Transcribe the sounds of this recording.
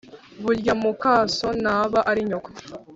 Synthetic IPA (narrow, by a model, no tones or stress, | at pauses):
βuɾɟamukaːsonaβaʔaɾiɲokḁ